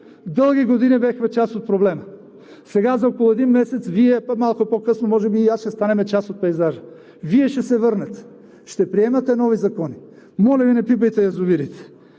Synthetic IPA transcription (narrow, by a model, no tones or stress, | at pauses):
d̪ɤlˠɡiɡod̪inibɛxmɛt͡ʃasot̪̚pɾoblɛmə | sɛɡazɐɔkolˠʊɛd̪inmɛsɛt̪sviɛmalˠkʊpokɤsnomɔʒɛbiasʃɛst̪anɛmɛt͡ʃasot̪̚pɛjzaʒə | viɛʃɛsɛvɤɾnɐt̪ɛ̥ | ʃt̪ɛpɾiɛmɐt̪ɛnɔvizɐkɔni | mɔlʲɐvinɛpibəjt̪ɛjɐzʊviɾit̪ɛ̥